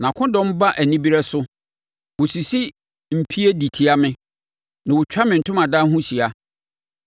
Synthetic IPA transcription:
nã˨kʰʊ̃˦dɔ̃˦m˦ba˦ʔæ˨nĩ˦bi˦ɾɛ˦sʊ˦ | wʊ˨si˨si˦ | m̩˨pʰi˦e˦di˨tʰi˦a˦mɪ̃˦ | nã˨wʊ˨t͡ɕᶣa˦mɪ̃˨n̩˨tʊ̃˦mã˨da˦ɦũ˦si˨a˦

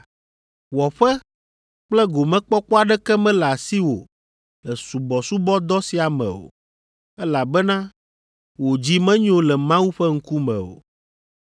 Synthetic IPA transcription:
wɔ˨ɸɛ˦ | k͡plɛ˦ɡo˨mɛ̃˦k͡pɔ˦k͡pɔ˦a˨ɖɛ˦kɛ˦mɛ̃˦la˨si˦wo̰˨ | lɛ˨su˨bɔ˨su˦bɔ˦d̪ɔ˦si˨a˨mɛ̰̃˨o̰˨ | ɛ˦la˨bɛ˦nã˦ | wo˨d͡ʑi˦mɛ̃˦ɲõ˦lɛ˨mã˦wu˦ɸɛ˦ŋ̩˦ku˦mɛ̰̃˨o̰˨

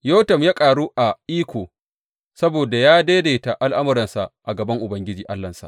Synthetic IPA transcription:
joː˦tɐ˨mjaː˦kʼaː˨ɽuː˦ʔa˨ʔiː˦kʷoː˨ | sɐ˦boː˨da˨jaː˦deː˦deː˨ta˨ʔa˦lʔa˦mʊ˦ɾɐ˨nsa˨ʔʔa˨ɡɐ˨bɐ˦ŋʔʊ˨bɐ˦ŋɡʲɪ˦d͡ʒiː˨ʔa˦lːɐ˨nsa̰˨ʔ

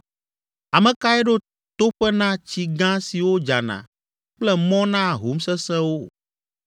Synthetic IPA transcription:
a˨mɛ̃˨ka˦ɛ˦ɖo˦ | t̪o˦ɸɛ˦nã˦t͡ɕi˨ɡã˦si˨wo˦d͡ʒa˨nã̰˨ | k͡plɛ˦mɔ̃˦nã˦ɦo˨˦msɛ˦sɛ̃˦wo˦

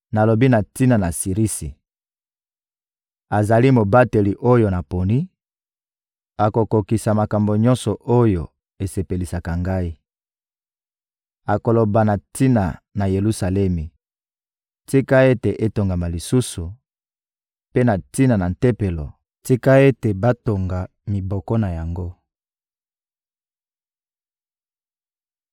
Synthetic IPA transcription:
na˨lo˨bi˦na˨ti˦na˨na˨si˨ʁi˦si˨ | a˨za˨li˦mo˨ba˦te˨li˨ʔo˦jo˨na˨po˨ni˦ | a˨ko˨ko˨ki˨sa˨ma˨ka˨mbo˨ɲɔ̃˦nsɔ˨ʔo˦jo˨ | e˨se˨pe˨li˨sa˨ka˨ŋɡa˦i˦ | a˨ko˨lo˨ba˨na˨ti˦na˨na˨je˨lu˦sa˨lɛ˦mi˨ | ti˦ka˦e˦te˨ʔe˦to˨ŋɡa˨ma˨li˨su˦su˨ | pe˦na˨ti˦na˨na˨n̩˨tɛ˦pe˨lɔ˨ | ti˦ka˦e˦te˨ba˦to˨ŋɡa˨ | mi˨bɔ˨kɔ˦na˨ja˨ŋɡo˦

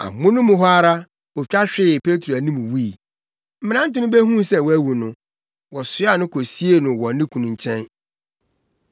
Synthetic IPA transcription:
a̰˨mʊ̃˦nʊ̃˦mʊ̃˨ɦɔ˦a˦ɾa˦ | ɔ˨t͡ɕᶣa˦ɕᶣɪ˦˨pʰe˦tʰo˨æ˨nĩ˦mũ˨wi˦i˨ | m̩˦m̃˦nã˦n̩˦tɪ˦nʊ̃˦bɛ˦ɦũ˦sɛ̃˨wɔ˦æ˦wu˨nʊ̃˨ | wɔ˨sɪ˦a˦˨nʊ̃˦kʰo˨si˦e˦nʊ̃˨wɔ̃˨˦nɪ̃˦kʰũ˨nʊ̃˨ɲ˨t͡ɕʰɛ̃˦n

